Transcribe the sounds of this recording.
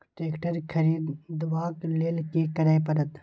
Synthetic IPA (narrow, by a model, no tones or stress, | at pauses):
ʈeːkʈɐɾkʰɐɾiːd̪d̪ʋaːkleːlkeːkɐɾaːjpɐɾɐt̪